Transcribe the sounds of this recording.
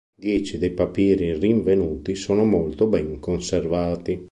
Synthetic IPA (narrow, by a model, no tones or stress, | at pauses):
d̪jɛːt͡ʃid̪ejpapiːɾiriɱvenuːt̪isoːnomolt̪obɛŋkonservaːt̪i